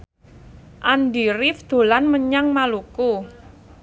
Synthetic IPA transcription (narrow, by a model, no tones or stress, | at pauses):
ʔand̪iɾɪfd̪̥o̤lanməɲaŋmaluku